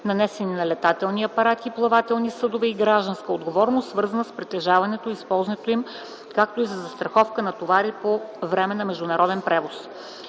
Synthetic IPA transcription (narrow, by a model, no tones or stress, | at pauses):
nɐnɛsɛninɐlɛt̪at̪ɛlˠniɐpɐɾat̪iplˠɐvat̪ɛlˠnisɤd̪ovɛiɡɾaʒd̪ənskəod̪ɡovɔɾnost̪svɤɾzɐnəspɾit̪ɛʒavɐnɛt̪oispɔlˠznɛt̪oim | kak̚t̪oizɐzɐst̪ɾɐxɔfkənɐt̪ovaɾipovɾɛmɛnɐmɛʒd̪ʊnɐɾɔd̪ɛnpɾɛvos